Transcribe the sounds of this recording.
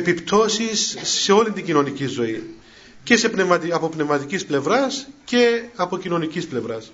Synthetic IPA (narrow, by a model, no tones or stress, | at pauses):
epipt̪o̞sisːe̞o̞lind̪iɟino̞nicizo̞i | ce̞sepnevmɐt̪iɐpo̞pnevmɐt̪icisple̞vɾɐsce̞ɐpo̞cino̞nicisple̞vɾɐs